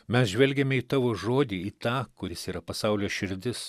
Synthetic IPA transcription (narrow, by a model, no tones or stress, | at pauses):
mʲɛsʒʲʋʲɛlʲɡʲɛmʲɛiːt̪ɑːʋoːʒoːd̪ʲiːiːt̪ɑːkʊɾʲɪsiːɾɐpɐsɑʊlʲoːʃʲɪɾʲd̪ʲɪs